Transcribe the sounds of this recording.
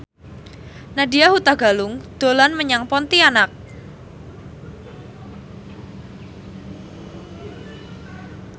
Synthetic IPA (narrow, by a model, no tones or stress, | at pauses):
nadiahut̪aɡalʊŋd̪̥o̤lanməɲaŋpɔnt̪ianak̚